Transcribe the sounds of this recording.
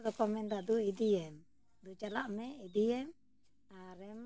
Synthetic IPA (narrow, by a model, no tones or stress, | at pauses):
d̪ɔkɔmɛndad̪uid̪ijɛm | d̪ut͡ʃalaʔmɛʔid̪ijɛm | aɾɛm